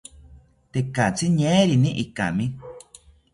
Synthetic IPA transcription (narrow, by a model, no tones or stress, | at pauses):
t̪ekat͡siɲẽɾinĩʔika̰mĩ